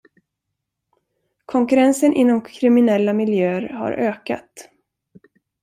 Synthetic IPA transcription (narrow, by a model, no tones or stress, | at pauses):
kʰɔŋkɵɾɛnsənʔɪnːɔmkʰɾɪmɪnɛlːamɪljøːəɾha̰ɾʔøːka̰t̪